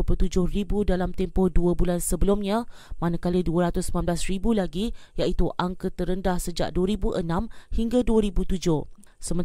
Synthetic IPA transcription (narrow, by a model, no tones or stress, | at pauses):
pət̪ud͡ʒʊhribudalamt̪ɛmpɔhduəbulansəbəlʊmɲã | manãkaləduəɾat̪ʊsəmãnblasribulaɡijaʔit̪uʔaŋkət̪ːəɾəndahsəd͡ʒa̰ʔduəɾibuʔənãmhiŋɡaduəɾibut̪ud͡ʒʊhsəmə̃n